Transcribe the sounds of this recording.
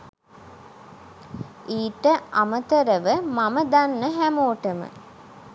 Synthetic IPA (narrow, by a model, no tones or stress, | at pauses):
iːʈəʔamət̪əɾəʋəmaməd̪anːəɦæmoːʈəmə̰